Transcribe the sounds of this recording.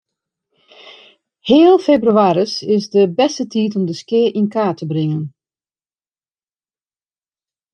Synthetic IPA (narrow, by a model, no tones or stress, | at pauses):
hɪːlˠfeːbryaːɾəsɪsdəbɛstətʰiːtɔmdəskɪəʔinkaːtʰəbrɪŋən